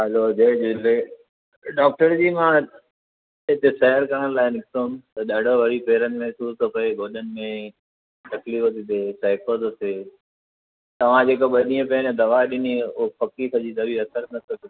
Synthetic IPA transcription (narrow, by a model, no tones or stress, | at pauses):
ɦɐlod͡ʑed͡ʑɪle | ɗɔːk̚ʈəɾd͡ʑiːmã | ɦɪt̪esɐɦəɾkɐɽənlaːɪnɪkt̪on̆t̪ɐɗaːɖʱoʋɐɾipeːɾənɪ̆mɛ̃ɦsuːzt̪ʰopɐeɡʱoːɗənɪ̆mẽ | t̪ɐkliːft̪id̪esaɪkəzseː | t̪ɐʋ̤ãd͡ʑeːkoɓɐɗĩːə̃pɛnẽd̪ɐʋaːɗɪniʊɦpɐkisɐd͡ʑid̪ɐbiɐsəɾnɐt̪ʰɐki